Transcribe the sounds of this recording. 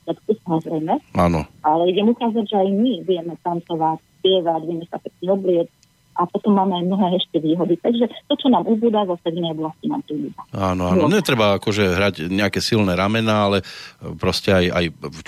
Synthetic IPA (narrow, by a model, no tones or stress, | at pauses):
at̪kusamɔzɾɛjmɛanɔ̰alɛiɟɛmukaːzaɟʒɛajmibuɟɛmɛt̪ant͡sɔʋacspɪɛʋaɟʋɪɛmɛsapɛkɲɛɔblɪɛt͡s | ʔapɔt̪ɔmːaːmɛajmnɔɦɛːɛʃcɛʋiːɦɔd̪it̪aɡʒɛt̪ɔt͡ʃɔnaːmʔubuːd̪azɔft̪ɛd̪inɛɔblascina̰ːmp̪ɾibṵd̪aanɔanɔnɛt̪ɾɛbaakɔʒɛɦɾaɟɲɛakɛsilnɛɾamɛnaalɛpɾɔscɛaja̰j